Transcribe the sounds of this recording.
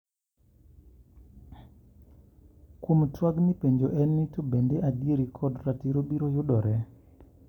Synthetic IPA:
kwomtwaɡnipeɲd͡ʒoʔɛnːitobendeʔadieɾikʰɔdɾatiɾobiɾojʊɗɔɾɛ

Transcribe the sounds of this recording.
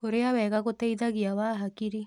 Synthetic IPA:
oɾeaβɛɡaɡot̪eid̪aɡijawaɦakiɾi

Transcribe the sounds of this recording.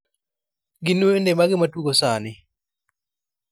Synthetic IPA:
ɡɪnuendemaɡɪmatuɡosanɪ

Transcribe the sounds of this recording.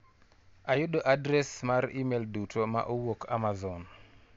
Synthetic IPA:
ajʊɗoʔadɾɛsmaɾimeldutʰoma̰ʔowokʰa̰mazɔn

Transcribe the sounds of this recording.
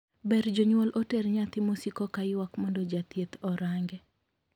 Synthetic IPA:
bɛɾd͡ʒoɲwɔlʔotɛɾɲat̪ɪmosikɔkaɪwakmɔndɔd͡ʒat̪jet̪ɔɾaŋɡɛ

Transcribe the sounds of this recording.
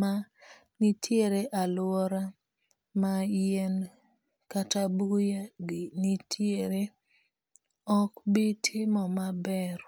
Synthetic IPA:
ma | nitʰjeɾeʔalwɔɾa | majen | katabujaɡɪnitʰjeɾe | ɔkbitʰɪmɔmabɛɾ

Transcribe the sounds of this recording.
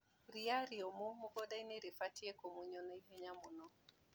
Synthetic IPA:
ɾiaɾiɔmomuɡɔdaineɾifatiɛkomuɲɔnɔiɦɛɲamunɔ

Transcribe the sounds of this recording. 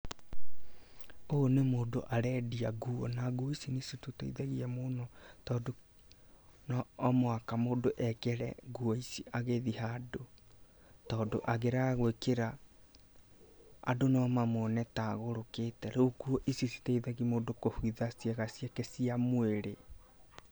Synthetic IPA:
onemoːdoʔaɾɛdiaɣuɔ̰naɡuoisinisututḛiðaɣiɛmonɔtɔːdo | nɔːmwakamoːdoʔɛkɛɾɛ̰ɡuɔisiʔaɣeðihaːdo | tɔːdoʔaɣeɾaɣwekeɾa | a̰donɔmamonɛtaɣoɾoketɛɾokuɔʔisisi̥taiðaɣimoːdokohwiðasiɛɣasiɛkɛsiamweɾe

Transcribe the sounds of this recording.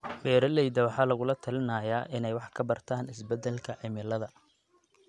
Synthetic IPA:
bɛːɾɐlɛjd̪ɐwɑħɑːlɐɣʊlɐt̪ʰɐlɪnɐjaːʔɪnɛjwɑħkʰɐbɐrt̪ʰaːnɪsbɛd̪ːɛlkʰɐʕɪmɪlɐðɐ

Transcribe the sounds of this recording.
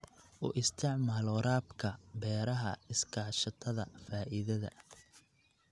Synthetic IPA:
ʔʊ̰ːʔɪst̪ʰɪʕmaːlɔɾaːbkʰɐbɛːɾɐɦɐ̰ɪskʰaːʃɐt̪ʰɐðɐfaːʔɪðɐðɐ̰

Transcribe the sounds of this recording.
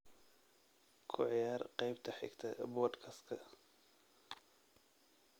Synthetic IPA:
kʰʊʕɪjaːrqɑjbt̪ʰɐħɪ̰ɡt̪ʰɐbɔːd̪kʰɐskʰɐ

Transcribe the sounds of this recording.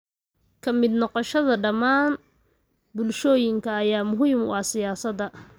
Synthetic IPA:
kʰɐmɪd̪nɔqɔʃɐðɐɖɐmaːn | bʊlʃɔːjɪŋkʰɐːjaːmʊɦiːmʊ̰ʔɑsɪjaːsɐd̪ɐ

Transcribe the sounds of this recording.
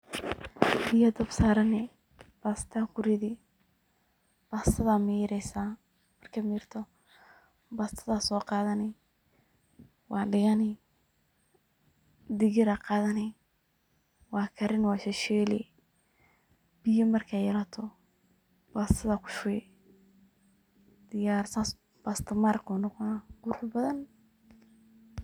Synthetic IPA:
bɪjɐd̪ɐbsaːɾɐnɛ | b̥aːst̪ʰakʰʊɾɪði | b̥aːsɐðamiːɾɛsaː | mɐrkʰɐmiːrt̪ʰɔ | baːst̪ʰɐðasɔːqɑːðɐnɪ | wɑːɖɪɣɐnɪ | d̪ɪɣɪɾɐqɑːðɐnɛ | wɑːkʰɐɾɪnwɑːʃɛʃɛːlɛ̰ | b̥ɪjɐmɐrkʰajɛɾɐt̪ʰɔ | b̥aːst̪ʰɐðɐkʰʊ̥ʃʊɛ | d̪̥ɪjaːrsas | b̥aːst̪ʰɐmarqʊːnɔqɔnaqʊɾʊħbɐðɐn

